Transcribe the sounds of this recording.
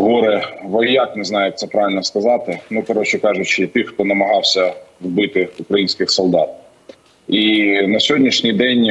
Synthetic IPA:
ɦɔɾɪʋɔjɑkneznɑjʊjɐkt̪sɛpɾɑʋʲɪlʲnɔskɐzɑt̪ɪnukɔɾɔt͡ʃɛkɑʒʊt͡ʃɪt̪ɪxt̪ɔnɐmɐɦɑwsʲɐwbɪt̪ɪukɾɐjinʲsʲkɪxsɔlˠd̪ɑ̰t̪̚ | inɐsʲɔdʲnʲiʃnʲijd̪ɛnʲ

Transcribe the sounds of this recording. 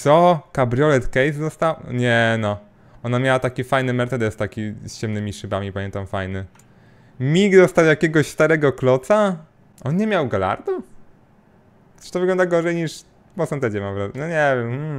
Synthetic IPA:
t̪sɔkabɾijɔlɛt̪kɛjzd̪ɔst̪awɲɛnɔ | ɔnamʲjawat̪akʲifajnɘmɛɾt̪ɛd̪ɛst̪akʲist͡ɕɛmnɘmʲiʂɘbamʲipamʲjɛnt̪amfajnɘ | mʲiɡd̪ɔst̪awjakʲɛɡɔɕst̪aɾɛɡɔklɔt̪sa | ʔɔnɲɛmʲjawɡala̰ɾd̪u | t͡ʃɨ̥t̪ɔvɘɡlɔnd̪aɡɔʐɛjɲiʂ | pɔsɛnt̪ɛd͡ʑɛmavɾɔnɔɲɛvʲɛmm̩

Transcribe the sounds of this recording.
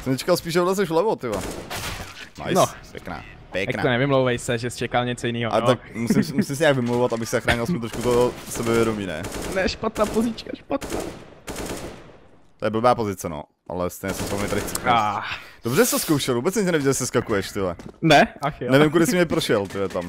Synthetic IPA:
sɛmɲɛt͡ʃɛ̥kalspiːʃolɛs̬ɛʃvlɛvot̪ɪbɛ̰ | na̰jpjɛ̰kna̰ː | pjɛkjakna̰onɛvɪmlowvɛjsɛʒɛst͡ʃɛkalɲɛt͡sojɪniːɦoat̪ak̚musɪmsmusɪms̬ɛɲaːɡvɪmlowvat̪abɪxsɛzaxɾaːɲɪlˠsmmut̪ɾoʃkut̪osɛbɛvjɛdomiːnɛ̰nɛʃpat̪naːpozit͡ʃkaʃpat̪naː | t̪ojɛbl̩baːpozɪt͡sɛno̰ | ʔa̰lɛst̪eɲɛsɛmsopmɲɛt̪aɾɪxt͡sɛadobrɛst̪oskowʃɛlˠvubɛt͡sɲɛcɛnɛviɟɛlsɛskakujɛʃt̪ɪlɛ̰nɛʔaxnɛvɪmkudɪsɪmɲɛpɾoʃɛlt̪ɪlɛt̪am

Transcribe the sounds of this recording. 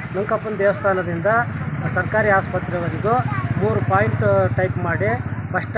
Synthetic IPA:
nɐŋkɐpːɐnd̪ɛːʋɐst̪ʰaːnɐd̪ind̪ɐsɐɾkaːɾiːaːspɐt̪ɾɛʋɐɾid̪omuːɾupaːjɳʈʈɐjpmaːɽipɐʂʈ

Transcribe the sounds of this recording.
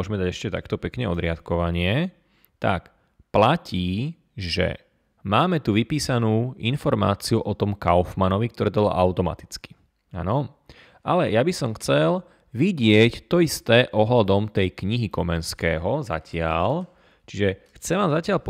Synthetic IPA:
ɔʒmɛd̪aɟɛʃcɛt̪a̰kt̪ɔpɛkɲɛɔd̪ɾɪat̪kɔʋaɲɪɛ | t̪a̰k | placʰiː | ʒɛ̰ | maːmɛt̪uʋipiːsanuːinfɔɾma̰ːt͡siuʔɔt̪ɔmkaʊfmanɔʋik̚t̪ɔɾɛːt̪ɔblɔ̰ʔaʊt̪ɔma̰t̪i̥t͡ski̥ | a̰nɔ | ʔalɛjabisɔmxt͡sɛl | ʋiɟɪɛct̪ɔist̪ɛːʔɔɦlad̪ɔmt̪ɛjkɲiɦikɔmɛnskɛːɦɔza̰cɪal | t͡ʃiʒɛxt͡sɛʋaːmzacɪaʎpɔ

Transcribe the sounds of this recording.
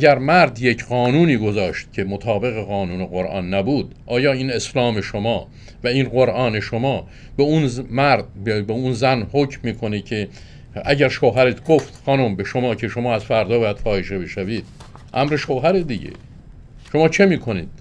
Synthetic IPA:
æɟæɾmæɾd̪je̞cʰɢɒːnuːniːɡozɒːʃt̪̚cʰemot̪ʰɒːbe̞ɣeɣɒːnuːneɣoɾʔɒ̰ːnːæbuːd̪̥ʔɒːjɒːiːne̞slɒːme̞ʃomɒː | væiːnɢoɾʔɒːne̞ʃomɒː | beunmæɾd̪bebeunzænhocʰmːiːkʰonecʰe | æɟæɾʃoɦæɾet̪ʰɡoft̪xɒːnombeʃomɒːcʰe̞ʃomɒːæzfæɾd̪ɒːbɒːjæd̪̥fɒːheʃebe̞ʃæviːd̪̥̚ʔæmɾeʃoɦæɾed̪iɟḛ | ʃo̞mɒːt͡ʃʰemiːkʰo̞nḭːd̪̥

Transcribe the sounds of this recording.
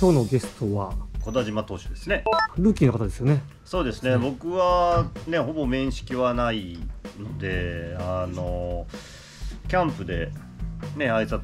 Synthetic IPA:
kʲo̞ːno̞ɡe̞sɨ̥t̪o̞βako̞d̪oaʑimat̪o̞ːɕid̪e̞sɨne̞ɾɯ̟ːkʲiːnokat̪ad̪e̞sɨjo̞ne̞ | so̞ːd̪e̞sɨne̞bo̞kɯ̟βane̞ɦo̞bo̞mẽ̞ɰ̃ɕi̥kʲiβanaino̞d̪e̞ano̞ | kʲãmpɯ̟d̪e̞̰ | ne̞aisa

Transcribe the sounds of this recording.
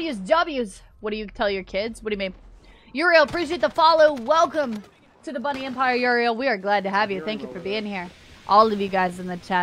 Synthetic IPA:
jʉzdʌbjʉz̥ | wʌt̚d̥ɨjɨtʰɛlˠjə˞kʰɪdzwʌdɨjɨmĩn | jəɹilˠəpʰɹ̥iʃieɪt̪̚ðəfɑlˠoʊwɛlˠkə̃m | tʰɨðəbʌñiɛ̃mpʰaɪə˞jʊɹiolˠwiə˞ɡlæd̚tɨəvjɨθæ̃ŋkjɨfə˞biɪ̃ŋhiɹ | ʔɔlˠʌvjɨɡaɪzɨ̃nðɨt͡ʃʰæ

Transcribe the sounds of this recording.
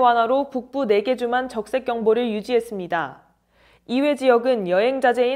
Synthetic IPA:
wanɦaɾopuk̚p͈une̞ɡe̞d͡ʑumɦant͡ɕʌk̚s͈e̞k͈jʌŋboɾɯɭjud͡ʑiɦe̞s͈ɯmɲida | iwe̞d͡ʑijʌɡɯnjʌɦe̞ŋd͡ʑad͡ʑe̞i

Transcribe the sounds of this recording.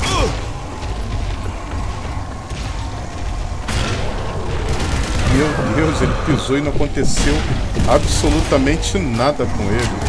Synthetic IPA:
ezelɪpizoinɐ̃w̃ɐkõt̪esewabsolut̪ɐmẽnt͡ʃɪnad̪ɐkõelɪ

